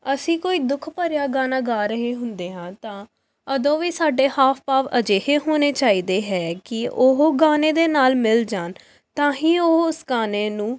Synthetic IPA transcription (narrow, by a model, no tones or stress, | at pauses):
əsĩːkoːiːd̪ʊkʰpəɾjaːɡaːnaːɡaːɾəɦeːɦʊnd̪eːɦãːt̪ãː | əd̪õːʋiːsaːɖeːhaːpʰpaːʋəd͡ʒeːɦeːɦoːneːt͡ʃaːiːd̪eːɦɛːkɪʊɦoɡaːneːd̪eːnaːlmɪld͡ʒaːn | t̪ãːɦĩːoɦʊsɡaːneːnũː